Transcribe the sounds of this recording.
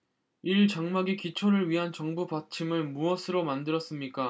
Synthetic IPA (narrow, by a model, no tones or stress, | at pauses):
iɭt͡ɕaŋmaɡikit͡ɕʰoɾɯɭɥiɦant͡ɕʌŋbupat͡ɕʰimɯɭmuʌsʰɯɾomandɯɾʌs͈ɯmɲik͈a